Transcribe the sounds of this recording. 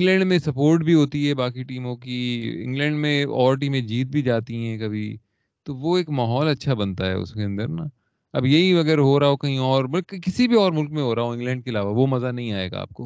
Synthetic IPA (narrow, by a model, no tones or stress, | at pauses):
ɪ̃ŋɡlɛ̃ːɳɖmẽsɐpoːɾʈbʱiɦoːt̪iɦɛbaːkiʈiːmõkiɪ̰̃ŋɡlɛ̃ːɳɖmẽɔːɾʈ̬iːmẽd͡ʒiːt̪̚bʱid͡ʒaːt̪iɦɛ̃ːkɐbʱi | t̪oʋoeːkmaːɦɔːlɐtːʃʰabɐnt̪aɦɛ̰ːʊ̰skeɐ̃nd̪əɾna | ɐbjɐɦiʋɐɡɛɾɦoɾaokɐɦĩɔːɾmɐkkɪsibʱiɔːɾmʊlkmẽɦoːɾaɦoɪ̃ŋɡlɛ̃ːɳɖ̚keɐlaːʋaʋomɐzanɐɦĩaːḛːɡa̰a̰ːp̚koː